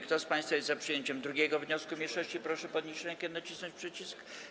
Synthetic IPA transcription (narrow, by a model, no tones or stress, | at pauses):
kt̪ɔspãj̃st̪fajɛst̪zapʂɨjeɲt͡ɕɛmd̪ɾuɡʲɛɡɔvɲɔskumʲejʂɔɕt͡ɕipɾɔʂɛpɔd̪ɲiɕɾɛɲkʲɛnat͡ɕisnɔ̃ɲt͡ɕʲpʂɘt͡ɕisk